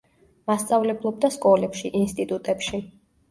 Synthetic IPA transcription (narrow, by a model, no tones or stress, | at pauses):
mast̪sʼavlɛblˠɔb̚d̪askʼɔlɛpʃiʔinst̪ʼit̪ʼut̪ʼɛpʃi